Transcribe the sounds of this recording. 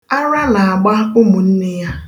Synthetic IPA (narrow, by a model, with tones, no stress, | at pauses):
a˦ɾa˦na˨a˨ɡ͡ba˦ʊ˦mʊ˨n̩˦nɪ˦ja˦